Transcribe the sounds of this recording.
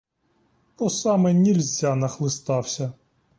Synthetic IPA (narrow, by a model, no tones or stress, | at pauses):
ɔsɑmɛnʲilʲzʲanɐxlˠɪst̪ɑwsʲɐ